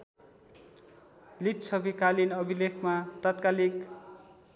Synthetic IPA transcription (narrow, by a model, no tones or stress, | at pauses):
lit̪sʌbikalinʌbʱilekʰmat̪at̪kalik